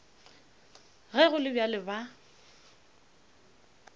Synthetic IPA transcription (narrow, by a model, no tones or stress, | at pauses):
ɣɛɣʊlɪbjalɪba